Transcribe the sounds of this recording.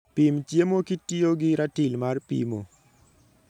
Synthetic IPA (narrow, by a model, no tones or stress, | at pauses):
pimt͡ʃjemokitioɡɪɾatilmarpḭmo